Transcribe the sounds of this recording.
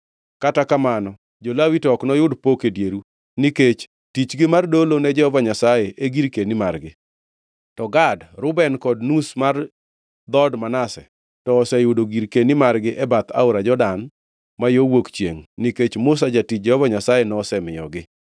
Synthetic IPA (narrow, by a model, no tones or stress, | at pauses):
katakamanɔ | d͡ʒolawitɔknɔjʊdpokedjeɾu | niket͡ʃ | tit͡ʃɡɪmardolonɛd͡ʒɛhɔvaɲasajeʔeɡiɾkenimarɡɪ | tɔɡadɾʊbɛnkɔdnusmar | d̪ɔdmanasɛ | tɔːsɛjʊdoɡiɾkenimarɡɪʔɛbat̪a̰ʊɾad͡ʒɔdan | majowokt͡ʃjeŋniket͡ʃmʊs̬ad͡ʒatit͡ʃ̚d͡ʒɛhɔvaɲasajenɔsɛmɪjɔɡɪ